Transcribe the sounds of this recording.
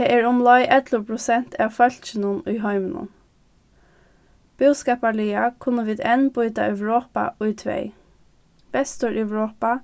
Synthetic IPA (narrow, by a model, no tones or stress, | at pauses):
ɛʔɛːɹʊmlɔjʔɛt̪ləpʰɾʊsɛn̥t̪ʰæːʋfœl̥t͡ʃɪnənʊjɦɔɪmənə̰n | b̥ʏwskɑːpaɭiakʰʊnːəʋiːd̪ɛnbʊjt̪a̰œwɹoːpa̰ʊjt̪ʰʋɛ̰ɪ | b̥ɛst̪ɔɹʔœʋɹoːpa